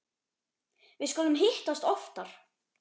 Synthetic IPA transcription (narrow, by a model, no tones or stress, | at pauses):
vɪðskɔːlʏmɦɪht̪ast̪ɔft̪aɾ̥